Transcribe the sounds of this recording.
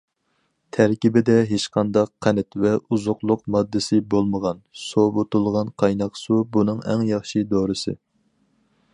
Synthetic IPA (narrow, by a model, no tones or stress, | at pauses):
t̪ʰæɾkʲibɪd̪ɛɦeʃqʰɑnd̪ɑqʰːænɛt̪vɛuzʊqlˠʊqmɑd̪ːɨsɪbolˠməʁɑnsobot̪ulˠʁɑnqʰɑjnɑqsubunɨŋæ̰ŋjɑχʃid̪oɾɨsɨ̰